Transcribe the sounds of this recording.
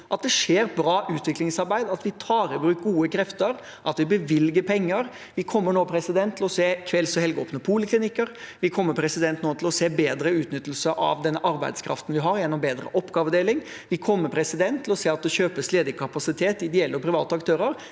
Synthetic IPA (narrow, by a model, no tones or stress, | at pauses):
ʔɑt̪̚d̪ɛʂeːɾbɾɑːʔʉːt̪ʋɪklɪŋsɑɾbæɪd̪ɑt̪ʋɪt̪ʰɑːɾəbɾʉːk̚ɡuːəkʰɾɛft̪əɾ | ʔɑt̪ʋɪbəʋɪlɡəpʰɛŋːəɾ | ʋɪkʰɔmːəɳoːpʰɾɛsɪd̪ɛnt̪ʰːɪlɔseːkʰʋɛlsɔhɛlɡoːpnəpʰuːləkʰlɪnɪkːəɾ | ʋɪkʰɔmːəɾpʰɾɛsɪd̪ɛnt̪noːt̪ʰɪlɔseːbeːd̪ɾəʉːt̪nʏt̪ːlsəʔɑ̰ʋd̪ɛnːəʔɑɾbæ̰ɪd̪skʰɾɑ̰ft̪nʋɪɦɑɾjɛnːɔmbeːd̪ɾə̰ʔɔpːɡɑːʋəd̪eːlɪŋ | ʋɪkʰɔmːəpʰɾɛsɪd̪ɛnt̪ʰːɪlɔseːɑt̪̚d̪ɛɕøːpəsleːd̪əkʰɑpɑsɪt̪ʰeːt̪ɪɪd̪ɪɛlːəɔpʰɾɪʋɑːt̪əɑkt̪ʰøːɾəɾ